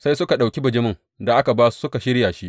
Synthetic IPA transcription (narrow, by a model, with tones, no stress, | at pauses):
sa˦jsʊ˦ka˨ɗa˨wkʲi˦bɐ˨d͡ʒɪ˦mɪ˦ŋ | da˨ʔa˦ka˨baː˦su̥˦sʊ˦ka˨ʃɪ˦ɽja˨ʃi˦ʔ